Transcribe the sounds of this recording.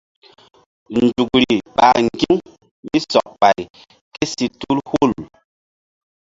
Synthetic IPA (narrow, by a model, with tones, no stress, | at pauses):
n˨d͡ʒu˨kɾi˨ɓa˨ŋɡi˦ŋ | mi˦sɔ˨k̚ɓa˨j | ke˦si˨tu˦lhu˦˨l